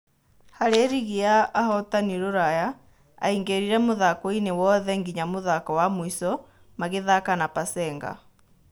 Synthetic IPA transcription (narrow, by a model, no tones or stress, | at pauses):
haɾeɾiɣiaːhɔtaniɾoɾaja | a̰iŋɡeɾiɾɛmoðakɔinewɔðɛŋɡiɲamoðakɔwamwisɔ | maɣeðakanapasɛːŋɡa̰